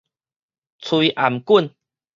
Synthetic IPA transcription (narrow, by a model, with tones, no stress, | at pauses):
t͡sʰi˧ʔa˨˩mku˥˧˨n